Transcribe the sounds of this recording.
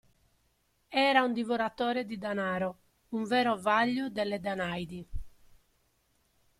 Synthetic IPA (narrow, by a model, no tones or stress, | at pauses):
ɛːɾaund̪ivɔɾat̪ːɔːɾed̪id̪anaːɾɔ | uɱvɛːɾɔvaʎːud̪ɛlːɛd̪anajd̪i